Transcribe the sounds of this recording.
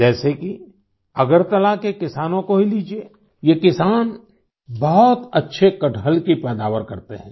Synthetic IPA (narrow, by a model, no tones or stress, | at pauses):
d͡ʒɛːseki | ɐɡəɾt̪ɐlakekɪsaːnõkoɦiliːd͡ʒieː | jekɪsaːn | bɔɦɔt̪ɐtːʃʰekɐʈəlkipɛːd̪aːʋəɾkɐɾt̪eɦɛ̃ː